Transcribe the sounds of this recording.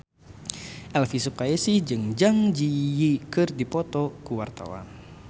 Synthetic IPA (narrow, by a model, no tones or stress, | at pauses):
ʔɛlfisup̚kajesid͡ʒɨŋd͡ʒaŋd͡ʒijikɨrdipɔt̪ɔkuwart̪a̰wa̰n